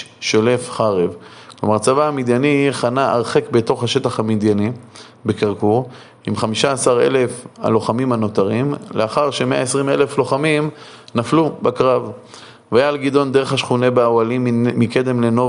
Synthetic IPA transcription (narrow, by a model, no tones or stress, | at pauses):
ʃole̞fχaʁevklomaʁt͡savaːmid̪janiχanaʔaʁχekbe̞t̪o̞χhaʃe̞t̪aχhamid̪jani | be̞kaʁkuʁ | imχamiʃaːsaʁe̞̰le̞fa̰lo̞χamimano̞t̪aʁimleaχaʁʃemeaesʁimele̞flo̞χamim | naflubakʁav | vajalɡid̪o̞nd̪e̞ʁ̞eχhaʃχune̞beawalimːike̞d̪e̞mle̞no̞